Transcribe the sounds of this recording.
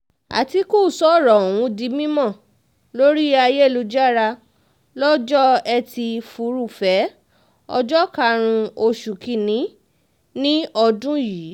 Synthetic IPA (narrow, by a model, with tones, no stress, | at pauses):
a̰˨ti˧˦ku˦˨sɔ˨˦˨ɾɔ˨w̃ũ˧di˨˦mĩ˦mɔ̃˦˨ | lo˦ɾi˦a˧je˦˨lu˧˦d͡ʒa˦ɾa˧ | lɔ˦d͡ʒɔ˦ɛ˧ti˧fu˨˦ɾu˦˨fɛ˨˦ | ɔ̰˧d͡ʒɔ˦ka˧ɾ̃ũ˧o˧ʃu˨ki˧˨nĩ˨˦ | nĩ˦ɔ˧dũ˦jiː˨˦